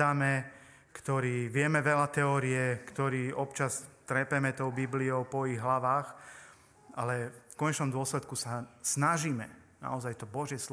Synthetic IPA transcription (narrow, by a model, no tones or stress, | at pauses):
aːmɛ | kt̪ɔɾiːʋɪɛmɛʋɛlat̪ɛɔːɾiɛkt̪ɔɾiːɔpt͡ʃast̪ɾɛpɛmɛt̪ɔʊbibliɔʊpɔiɣɦlaʋaːx | ʔalɛfkɔɲɛt͡ʃnɔmd̪ʊɔslɛt̪kusasnaʒiːmɛ | na̰ɔzajt̪ɔbɔʒjɛs